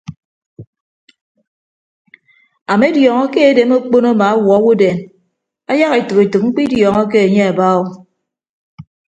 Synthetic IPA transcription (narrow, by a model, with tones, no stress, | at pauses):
a˨me˦djɔː˨ŋɔ˦ke˦e˨de˨˦mo˦k͡po˦na˦ma˨a˦wɔ˨˦wu˦de˨n | a˦ja˦ɣe˨tɨ˨ke˨tɨ˨k̚ŋ͡m̩˦k͡pi˦djɔː˨ŋɔ˦k̬e˦e˨ɲe˦a˨ba˦o˦